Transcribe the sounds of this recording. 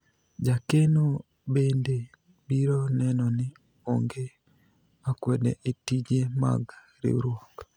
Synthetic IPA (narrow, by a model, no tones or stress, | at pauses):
d͡ʒakeno | bende | biɾɔnɛnɔnɪ | oŋɡe | akwɛdɛ̰ʔetid͡ʒema̰ɡ | ɾḛɾwɔk